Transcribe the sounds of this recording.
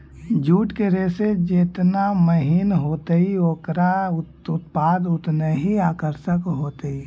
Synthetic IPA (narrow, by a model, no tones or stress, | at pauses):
d͡ʒuːʈkeɾeːsed͡ʒeːt̪naməɦinɦoːt̪əioːkɾa | ʊt̪paːd̪ʊt̪neɦiaːkəɾʃəkɦoːt̪i